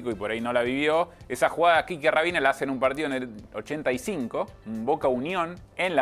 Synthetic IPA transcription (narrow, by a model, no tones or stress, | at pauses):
koipo̞ɾaino̞laβiβjo̞esaxuɣaðakikjearaβinelaasenumpaɾt̪̬iðenelot͡ʃent̪aisiŋko̞umbokaunjõnenla